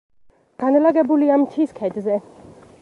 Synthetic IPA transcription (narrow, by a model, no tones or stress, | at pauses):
ɡ̥anlaɡɛbuliamt̪ʰiskʰɛd̪zɛ